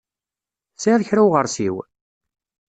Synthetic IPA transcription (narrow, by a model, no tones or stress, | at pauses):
siðçɾawʁəɾˤsiw